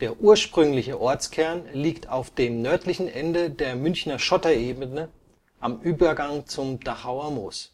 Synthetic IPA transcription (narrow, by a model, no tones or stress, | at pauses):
d̥eːɐʔuːɐʃpʁ̥ʏŋlɪçəʔɔɐt͡skʰɛɐnliːktʰaʊfd̥eːmnœɐtlɪçn̩ʔɛndədeːɐmʏnçnɐʃɔtɐeːbənə | ʔamʔyːbɐɡaŋt͡sʊmd̥aχaʊɐmoːs